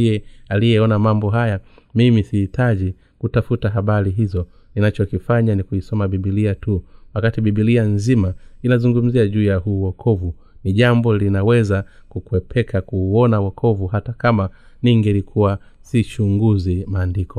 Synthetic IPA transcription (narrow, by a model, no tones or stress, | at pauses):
ɛalijɛɔnamambɔɦaja | mimisihitʰaʄi | kutafutaɦaɓaliɦizɔ | ninat͡ʃɔkifaɲanikuisɔmaɓiɓiliatuwakatiɓiɓilianzimainazuŋɡum̩ziaʄuːjahuːwɔkʰɔvu | niʄambɔlinawɛza | kukuwɛpʰɛkʰakuɔnawakʰɔvuhatakama | niŋɡɛlikʰuwa | sit͡ʃuŋɡuzimaːndikʰɔ